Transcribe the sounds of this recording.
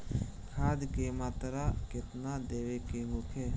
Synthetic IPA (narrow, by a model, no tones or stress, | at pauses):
kʰaːd̪kemaːt̪ɾakɪt̪nad̪eːʋekeɦokʰe